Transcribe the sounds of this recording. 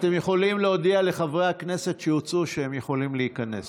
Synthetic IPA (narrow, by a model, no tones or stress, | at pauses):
at̪e̞mjeχo̞limleodiale̞χavʁehakne̞se̞t̪ʃejut͡suʃeemjeχo̞limleikanḛs